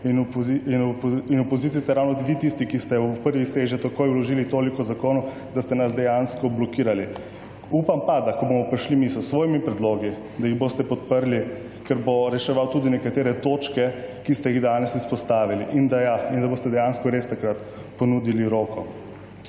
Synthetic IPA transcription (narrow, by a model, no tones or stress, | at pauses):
inpziinpinupozit̪ist̪ɛɾawnɔd̪ʋit̪ist̪ikist̪ɛupəɾʋiseːʒɛt̪akojulɔʒiːlit̪oːlikɔzakoːnu | d̪ast̪ɛnasd̪ɛjanskɔblɔkiːɾali | upampad̪akɔbomɔpɾiʃlimisɔsʋoːjmipɾɛd̪loːɡi | d̪ajiɣboːst̪ɛpɔt̪pəɾli | kɛɾboɾɛʃɛʋawt̪uːd̪inɛkat̪eːɾɛt̪oːt͡ʃkɛkist̪ɛjiɣd̪aːnɛsispɔst̪aːʋiliʔind̪ajaind̪abost̪ɛd̪ɛjanskɔɾest̪akɾat̪ | pɔnud̪iliɾoːkɔ